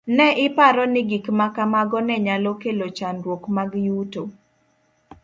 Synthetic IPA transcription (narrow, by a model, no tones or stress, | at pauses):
nɛʔɪpaɾɔnɪɡikmakamaɡɔnɛɲalɔkelot͡ʃandwokmaɡjuto